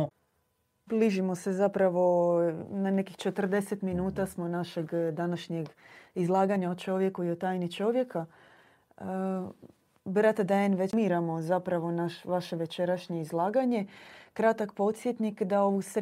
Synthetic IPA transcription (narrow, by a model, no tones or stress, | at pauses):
bliʒimo̞se̞zapɾaʋo̞nane̞kixt͡ʃe̞t̪r̩d̪e̞set̪minuːt̪asmo̞naʃe̞ɡd̪anaʃɲeɡizlˠaːɡaɲaot͡ʃo̞ʋje̞kuiot̪aːjnit͡ʃo̞ʋje̞ka | bɾat̪ad̪aenʋemiɾamozapɾaʋo̞naʃʋaʃe̞ʋet͡ʃe̞ɾaʃɲeizlˠaːɡaɲe̞kɾat̪akpo̞t̪sjet̪nikd̪aoʋus